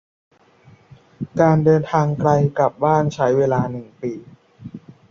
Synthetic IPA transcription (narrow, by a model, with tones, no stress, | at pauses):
kaː˧ndɤː˧nt̪ʰaː˧ŋkɾa˧jka˨˩p̚baː˥˩nt͡ɕʰa˦˥jweː˧laː˧nɯ˨˩ŋpiː˨˧